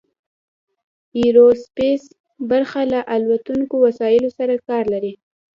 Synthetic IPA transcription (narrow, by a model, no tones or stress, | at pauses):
iɾospes | baɾxalaʔalwat̪uŋkowasɑjɪlosaɾakɑɾlaɾi